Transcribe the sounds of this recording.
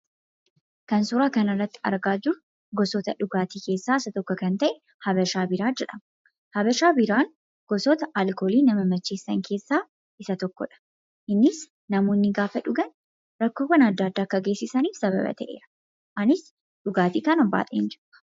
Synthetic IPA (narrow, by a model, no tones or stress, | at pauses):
kɐnsʊɾaːkɐnɐrːɐt̪ːɪ̥ɐ̰ɾɡaːd͡ʒʊɾʊ | ɡɔsɔt̪ɐᶑʊɡaːt̪iːke̞ːsːaːɪsɐt̪ɔkːɔkɐnt̪ɐʔɛ | hɐbɐʃaːbɪɾaːd͡ʒɛᶑɐm | hɐbɐʃaːbɪɾaːŋ | ɡ̥ɔsɔt̪ɐʔalkoːliːnɐmɐmɐt͡ʃːeːsːɐŋkʰe̞ːsːaː | ʔɪsɐt̪ɔkːɔ̰ᶑɐ̥ | ʔɪnːɪs | nɐmoːnːɪɡaːfɐᶑʊɡɐn | ɾɐkːoːwɐnɐd̪ːaːd̪ːaːkːɐɡe̞ːsːɪsɐniːfsɐβɐ̰bɐ̰t̪ɐʔe̞̰ːɾɐ̥ | ʔɐnɪs | ᶑʊɡaːt̪iːkɐnɐbːa̰ːt̪ʼeːnd͡ʒɪɾʊ̥